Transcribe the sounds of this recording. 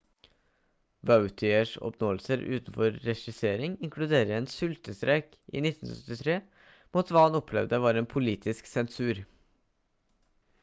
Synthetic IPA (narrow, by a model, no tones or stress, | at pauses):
ʋɑʉt̪ʰɪəʂɔ̰pnoːəlsəɾʉ̰ːt̪n̩fɔɾːɛʂɪseːɾɪŋɪŋkʰlʉd̪eːɾəeːnsʉlt̪əst̪ɾɛk | ʔḭːnɪt̪ːn̩ssœt̪ɪt̪ʰɾeː | muːt̪ʋɑːhɑnɔpʰlɛʋd̪əʋɑːɾeːnpʰʊliːt̪ʰɪsksɛnsʉːɾ